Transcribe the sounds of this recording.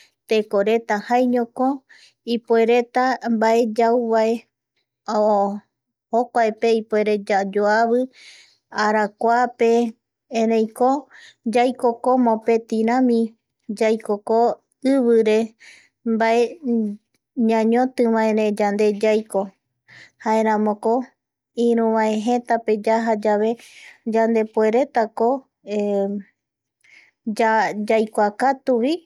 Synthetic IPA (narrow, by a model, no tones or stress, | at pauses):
t̪ekoɾe̞t̪ahajɲõko | ipoe̞ɾe̞t̪ambaʔed͡ʒauβae | o | hokʷaepe̞ipoeɾe̞d͡ʒad͡ʒoaβɨ | aɾakʷape̞ | ẽɾẽj̃kod͡ʒajkokomõpe̞t̪iɾãmĩ | d͡ʒajkoko | ɨβɨɾe̞ | mbae̞ | ɲãɲõt̪ɨʋãẽɾẽd͡ʒand̪e̞d͡ʒajko̞ | haẽɾ̃ãmõko | ĩɾũʋãẽɦẽt̪ape̞d͡ʒaɦad͡ʒaβe̞d͡ʒand̪e̞pue̞ɾe̞t̪ako̞ | e | d͡ʒad͡ʒajkʷakat̪uʋi